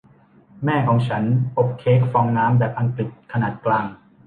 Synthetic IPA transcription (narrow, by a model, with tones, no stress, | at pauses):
mɛː˥˩kʰɔː˩˦ŋt͡ɕʰa˦˥nʔo˨˩p̚kʰeː˦˥k̚fɔː˧ŋnaː˦˥mbɛː˨˩p̚ʔa˧ŋkli˨˩t̪̚kʰa˧naː˨˩t̪̚klaː˧ŋ